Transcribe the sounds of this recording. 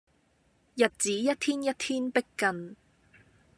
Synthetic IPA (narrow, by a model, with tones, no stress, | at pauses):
jɐ˨t̚t͡siː˨˥jɐ˥t̚t̪ʰiː˥njɐ˥t̚t̪ʰiː˥npɪ˥kːɐ˨˧n